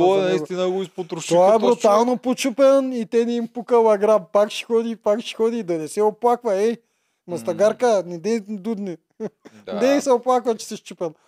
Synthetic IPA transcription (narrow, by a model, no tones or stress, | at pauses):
onɐist̪inəɡoispot̪ɾoʃt̪oaɛbɾut̪alˠnopot͡ʃupɛnit̪ɛnɛimpukɐlɐɡɾabpakʃi̥xɔd̪ipakʃi̥xɔd̪iːd̪ɐnɛsɛoplˠakvɐɛj | mɐst̪ɐɡaɾkənɛd̪ɛd̪ud̪ni | d̪ɛsɛoplˠakvɐt͡ʃɛ̥sɛʃt͡ʃupɛnˠ